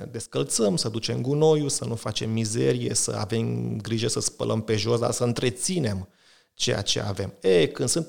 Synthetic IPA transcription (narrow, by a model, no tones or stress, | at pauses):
d̪e̞skəlt̪səmsəd̪ut͡ʃe̞mɡuno̞jusənufat͡ʃe̞mːizeɾije̞̰sə̰a̰ve̞mɡɾiʒesəspə̰lʔəmpe̞ʒo̞s̬d̪asəɨnt̪ɾe̞t̪sine̞m | t͡ʃe̞ja̰t͡ʃe̞̰a̰ve̞mekɨnsɨnt̪